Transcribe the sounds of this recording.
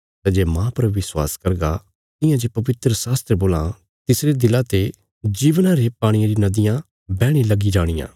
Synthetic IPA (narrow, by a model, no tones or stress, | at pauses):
t̪ãd͡ʒeːmãːpɐɾʋɪswaːskɐɾɡa | t̪ɪ̃jãd͡ʒepɐʋɪt̪ɾəsaːst̪ɾəboːlã | t̪ɪsɾed̪ɪlat̪e | d͡ʒiːʋnaɾepaːɽ̃ijãɾinɐd̪ɪjã | bɛːɽ̃ilɐɡid͡ʒaːɽ̃ɪjã̰ː